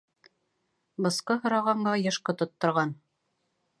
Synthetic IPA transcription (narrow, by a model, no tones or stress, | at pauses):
bɤ̆sqɤɦŏɾɑʁɑɴɢɑjɤ̆ʃqɤt̪ŏt̪ːŏɾʁɑn